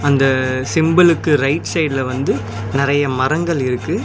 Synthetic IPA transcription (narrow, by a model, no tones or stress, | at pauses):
ɐnd̪ɐsɪmbɐlɯkːɯɾɐɪʈsɐɪɖɪlɐʋɐnd̪ɯ | nɪɾɐjɐmɐɾɐŋɡɐɭɪɾɯkːɯ